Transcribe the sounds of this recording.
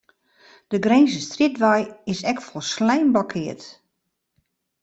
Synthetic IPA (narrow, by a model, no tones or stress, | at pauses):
d̥əɡrenzəstridʋajɪsɛkfɔlˠslɛjnblɔkʰɪət